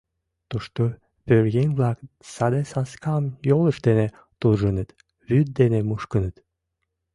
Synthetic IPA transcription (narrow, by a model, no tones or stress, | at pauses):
t̪uʃt̪o | pøɾɣenʲβlɑk | sɑd̪esɑnskɑmjolə̆ʃd̪ene | t̪uʒənət̪ | βyd̪̚d̪enemuʃkənə̆t̪